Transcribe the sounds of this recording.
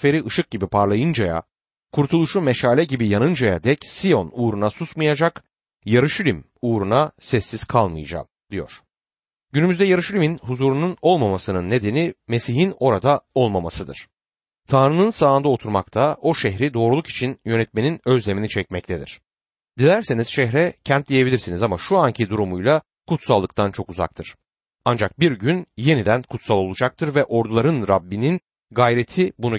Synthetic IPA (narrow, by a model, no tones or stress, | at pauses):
fe̞ɾiʔɯʃɯk̚ɟibipʰaɾlˠajɯnd͡ʒaja̰ | kʰuɾt̪ʰulˠuʃumeʃaːlʲɛɟibijanɯnd͡ʒaja̰d̪ɛcsijo̞nuːɾunasusmɯjad͡ʒak | jaɾɯʃylʲimuːɾunasɛsːiz̥kʰalˠmɯjad͡ʒa̰md̪ijo̰ɾ̥ | ɟynymyzd̪ɛjaɾɯʃylʲiminhuzuɾununo̞lˠmamasɯnɯnːe̞d̪e̞nime̞siɦino̞ɾad̪ao̞lˠmamasɯd̪ɯ̰ɾ̥ | t̪ʰanɾɯnɯnsaːnd̪ao̞t̪ʰuɾma̰kt̪ʰao̞ʃɛɦɾid̪o̞ːɾulˠuki̥t͡ʃʰinjø̞nɛt̪̚me̞ninø̞zlʲe̞minit͡ʃʰɛcmɛc̚t̪ʰed̪ḭɾ̝̥ | d̪ilʲæɾsiniz̥ʃɛɦɾɛcʰænt̪̚d̪ijebilʲiɾsinizamaʃuaɲcʰid̪uɾumujlˠa | kut̪salˠːɯkt̪ʰant͡ʃʰo̞kuza̰k̚t̪ʰɯɾ̥ | and͡ʒak̚biɾɟynje̞nid̪ænkʰut̪salˠo̞lˠud͡ʒak̚t̪ʰɯɾvɛʔo̞ɾd̪ulˠaɾɯnɾabːinin | ɡajɾe̞t̪ʰibunu